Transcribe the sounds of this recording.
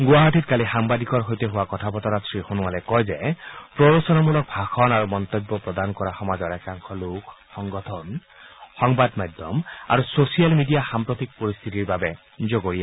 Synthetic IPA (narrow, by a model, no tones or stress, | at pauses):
ɡʊaɦɔtitkalixambadikɔɹɦojtɛɦʊwakɔtʰapɔtɔɾasʰɹixonʊwalɛkɔjzɛpɹɔɹɔsɔnɔmulɔk̚bʱaxʰɔnaɹumɔnt̪ɔbːɔpɹɔdankɔɹaxɔmazɔɹɛkaŋkʰɔlukʰxɔŋɡɔtʰɔn | xɔŋbadmajdʱɔ̰ma̰ɹusosijalmidijaxampɹɔtik̚poɹist̪ʰitiɹbabɛ | zoɡoɹija